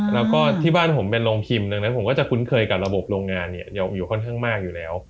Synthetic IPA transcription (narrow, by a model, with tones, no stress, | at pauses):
lɛː˦˥wkɔː˥˩t̪ʰiː˥˩baː˥˩npʰo˩˦mpe˧nloː˧ŋpʰi˧mna˧ŋna˦˥pʰo˩˦kɔː˥˩t͡ɕa˨˩kʰu˦˥nkʰɤː˧jka˨˩p̚ɾa˧bo˨˩p̚ɾoː˧ŋːaː˧nːi˥˩ɐja˧wjuː˨˩kʰɔ˥˩nkʰaː˥˩ŋmaː˥˩k̚juː˨˩lɛː˦˥w